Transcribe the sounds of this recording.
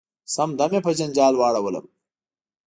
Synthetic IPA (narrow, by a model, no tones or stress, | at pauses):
sɐmd̪ɐmepɐd͡ʑɐnd͡ʑaːlwaːɽɐwɐlɐ̰m